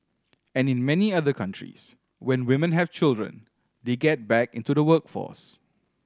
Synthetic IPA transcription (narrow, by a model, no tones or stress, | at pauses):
ɛ̃nɪ̃nmɛniaðəkʰãntʰɹḭs | wɛ̃nwɪmə̃nɦɛv̥t͡ʃɪldɹə̰̃n | deɡɛt̚bɛkɪ̰̃ntudəwəkfɔ̰s